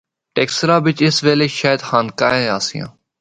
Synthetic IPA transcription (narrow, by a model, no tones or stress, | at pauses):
ʈeːksɾaːʋɪt͡ʃɪsʋeːleːʃaːjɪd̪hãːnkaːẽːaːsɪjã̰ː